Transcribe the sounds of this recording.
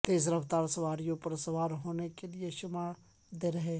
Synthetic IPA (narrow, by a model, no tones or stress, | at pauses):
t̪eːzɾɐʋt̪aːɾsɐʋaːɾijõpɐɾsɐʋaːɾɦoːnekelieʃʊmaːɭ | d̪eɾɐɦeː